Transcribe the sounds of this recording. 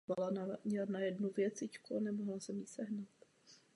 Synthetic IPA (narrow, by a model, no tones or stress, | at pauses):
valanaɲɛlanajɛdnuvjɛt͡sɪckuanɛmoɦlasɛmisɛɦnat̪